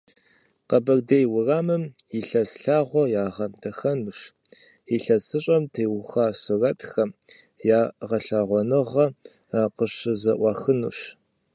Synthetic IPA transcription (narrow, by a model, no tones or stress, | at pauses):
qɐbɐrdejwʊraːmɨmjiɬɐsɬaːʁʷɔjaːʁɐmtʰɐxɐnuʃ | iɬɐsɨɕʼɐmtʰeːwʊxaːsɨrɐtʰʼxɐm | jaːʁɐɬaːʁʷɔnɨʁɐ | qəɕɨzɐʔʷɑxɨnṵɕ